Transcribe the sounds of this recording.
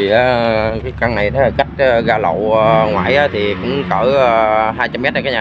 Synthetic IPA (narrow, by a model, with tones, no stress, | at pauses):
i˨˩ʔa˨˦kaː˨˦ka˧ŋna˨˩jt̪ʰe˨˦laː˨˩ka˦˥jk̟̚ːɣaː˧lə̰˧˨ə˧ŋwa̰ː˧˨jʔaː˨˦t̪ʰi˨˩kʊ̰˧˥ŋ͡mkəː˧˩ə˧˩ɦaː˧jt͡ɕa˧mɛ˦˥t̚aː˧kːjɲaː˨